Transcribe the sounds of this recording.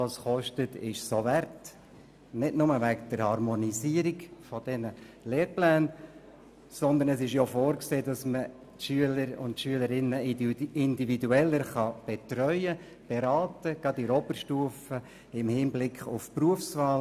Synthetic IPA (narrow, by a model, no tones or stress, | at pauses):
ɑsχɔʃtətɪʃsovæɾt | nɪdnʊməʋækd̥əɾhɑɾmɔniziəɾikfɔd̥ɛnə | leːɾplæːn | sɔnd̪ənəsɪʃjofoːɾkseːdɑsmə | tʃyələɾʊ̰ntʃyələɾɪnːəɪndividuɛlːəɾχɑb̥ɛtɾœʏə | b̥ɛɾɑːtəɡɑd̪iɾɔbəɾʃtuəfə | ɪmhɪnblɪkχʊfpruəfsʋɑːl